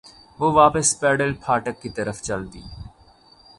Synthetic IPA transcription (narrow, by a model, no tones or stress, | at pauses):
ʋoːʋaːpəspɛːɖəlpʰaːʈəkːit̪əɾəft͡ʃɐlt̪ḭː